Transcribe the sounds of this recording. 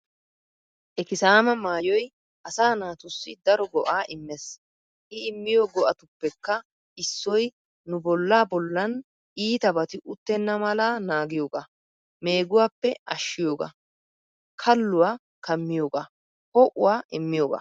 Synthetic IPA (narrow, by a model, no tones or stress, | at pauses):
ʔɛkɪsaːmɐmaːjɔj | ʔɐsaːnaːt̪ʊsːɪd̪ɐɾɔɡɔʔaːʔɪmːɛs | ʔɪɪmːɪjoːɡɔʔɐt̪ʊpːɛkːɐ | ɪsːɔj | nʊbɔlːaːbɔlːɐn | ʔiːt̪ɐbɐt̪ɪʔʊt̪ːɛnːɐmɐlaːnaːɡɪjoːɡa | me̞ːɡʊwaːpːɛʔɐʃːɪjoːɡa̰ | kʰɐlːʊwaː | kɐmːɪjoːɡa | hɔʔʊwaːʔɪmːɪjoːɡa̰ː